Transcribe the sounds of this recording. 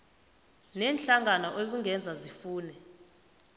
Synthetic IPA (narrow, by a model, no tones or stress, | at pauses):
nɛːnɬaŋanɔʔek̬uŋʱɛnd͡zʱazifuːnɛ